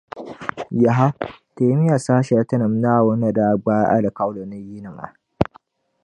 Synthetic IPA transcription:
ja˨ɦa˦te˨˦mi˦ja˨saː˦ʃa˨a˦tɐ˦nɐ˨m˦na˦˨wo˦na˨da˦˨ɡ͡baː˦ja˦ʔa̰˦la˨ka˦wlo˨na˦ji˦nɐ˨mʔa̰˨

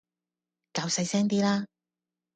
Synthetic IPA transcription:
kaː˨˧wsɐ˧jsɛː˥ŋt̪iː˥laː˥

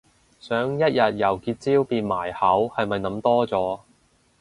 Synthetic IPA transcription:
sœː˨˥ŋjɐ˥t̚jɐ˨t̚jɐ˨˩wkiː˧t̚t͡siː˥wpiː˧nmaː˨˩jhɐ˨˥whɐ˨jmɐ˨jnɐ˨˥mt̪ɔː˥t͡sɔː˨˥

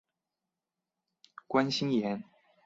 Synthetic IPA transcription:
kwa˦nɕi˥njɛ˧˦n

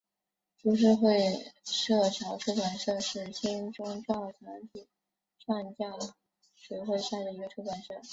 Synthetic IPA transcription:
ʈ͡ʂu˧˥ʂ̬ɻ̩˥˧xwe˥˧ɪʂɤ˥˩ʈ͡ʂʰɑ˧˥ʊʈ͡ʂʰu˥kwa˨˩nʂɤ˥˧ʂɻ̩˥˩ɕi˥ŋʈ͡ʂʊ˥ŋʈ͡ʂwɑ˥˩ʊʈ͡ʂʰɤ˧˥ŋtʰi˨˩˦ | ʂwɑ˥˧ŋt͡ɕjɑ˥˩ | ʂwe˨˩ɪxwe˥˧ɪɕa˥˩d̪ə˩i˧˥ɡə˧ʈ͡ʂʰu˥kwa˨˩nʂɤ˥˩

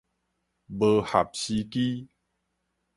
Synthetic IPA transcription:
bə˧ha˨˩p̚ɕi˧ki˦

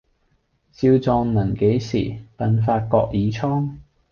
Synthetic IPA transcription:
t͡siː˧wt͡sɔː˧ŋnɐ˨˩ŋke˨˥jsḭː˨˩pɐ˨˧nfaː˧t̚kɔː˧k̚jiː˨˥t͡sʰɔː˥ŋ

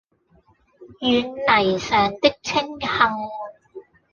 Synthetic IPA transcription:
jyː˨˧nlɐ˨˩jsœː˨ŋt̪ɪ˥k̚t͡sʰɪ˥ŋhɐ˧ŋ

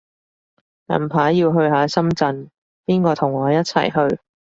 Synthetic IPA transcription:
nɐ̰˨˩mpʰaː˨˥jjiː˧wɦɵ˧ɥɦaː˨˧˥sɐ˥mt͡sɐ˧n | piː˥nkɔː˧t̪ʰʊ˨˩ŋɔː˨˧˦jɐ˥t̚t͡sʰɐ̰˨˩jɦɵ˧ɥ

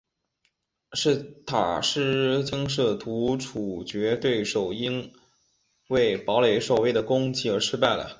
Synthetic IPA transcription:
ʂɻ̩˥˩t̪ʰa̰˨˩ʂɻ̩˥t͡ɕi˥ŋʂ̬ɤ˥˩t̪ʰu˧˥ʈ͡ʂʰu˨˩t͡ɕɥɛ˧˥t̪we˥˩ɪʂo˨˩ʊi˥ŋ | we˥˩ɪpɑ˧˥ʊle˧˥ɪʂo˨˩we˥˩ɪd̪ə˩kʊ˥ŋt͡ɕʰi˥ə˞˧˥ʂɻ̩˥pa˥˩ɪlə̰˩

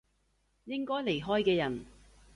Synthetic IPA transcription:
jɪ˥ŋkɔː˥jle˨˩jɦɔː˥jkɛː˧jɐ˨˩n

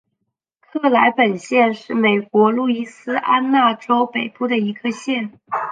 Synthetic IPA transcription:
kʰɤ˥˩la˧˥ɪpə˨˩nɕjɛ˥˧nʂɻ̩˥˩me˨˩ɪkwɔ˧˥lu˥˩i˥sɹ̩˥ʔa˥nna˥˩ʈ͡ʂo˥ʊpe˨˩ɪpu˥˩d̪ə˩i˧˥ɡ̥ə˧ɕjɛ˥˩n

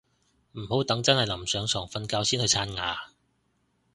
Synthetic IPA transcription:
m̩˨˩ho˨˥wt̪ɐ˨˥ŋt͡sɐ˥nhɐ˨jlɐ˨˩msœː˨˧ŋsɔː˨˩ŋfɐ˧nkaː˨˥wsiː˥nhɵ˧ɥt͡sʰaː˧nŋaː˨˧

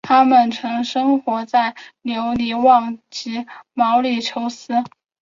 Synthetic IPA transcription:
t̪ʰa˥mə˨nʈ͡ʂʰɤ˧˥ŋʂɤ˥ŋxwɔ˧˥t͡sa˥˩ɪnjo˧˥ʊli˧˥wɑ˥˩ŋt͡ɕi˧˥mɑ˧˥ʊli˥˨˩ʈ͡ʂʰo˧˥ʊsɹ̩˥

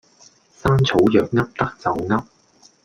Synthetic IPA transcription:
saː˥nt͡sʰo˨˥wjœː˨k̚ŋɐ˥p̚t̪ɐ˥k̚t͡sɐ˨wŋɐ˥p̚

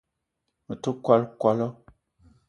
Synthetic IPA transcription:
mə˨tu˦kwa˦lkwa˦lɔ˦

